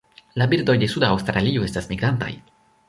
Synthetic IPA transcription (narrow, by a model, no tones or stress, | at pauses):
labiɾdo̞jde̞sudaːwstɾalio̞e̞stasmiɡɾanta̰j